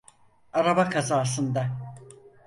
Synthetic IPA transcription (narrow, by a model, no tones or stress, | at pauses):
aɾabakʰazaːsɯnd̪a